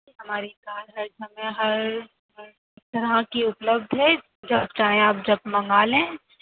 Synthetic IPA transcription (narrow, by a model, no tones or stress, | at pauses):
ɦɐmaːɾikaːlɦɐɾsɐmə̃ɦɐɾ | ɪk̚t̪ɐɾɦãkiʊpləbd̪ʱɦɛ | d͡ʒɐb̚t͡ʃaːɦẽaːp̚d͡ʒɐb̚mɐ̃ŋɡaːlẽː